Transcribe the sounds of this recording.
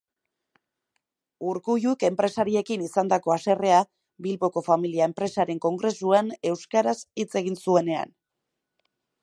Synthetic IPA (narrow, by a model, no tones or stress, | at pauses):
uɾkuʝuke̞mpɾe̞saɾie̞kinisand̪ako̞ase̞re̞a | bilβo̞ko̞familiaempɾe̞saɾe̞ŋko̞ŋɡɾe̞suane̞wskaɾasit͡se̞ɣ̞insue̞ne̞a̰n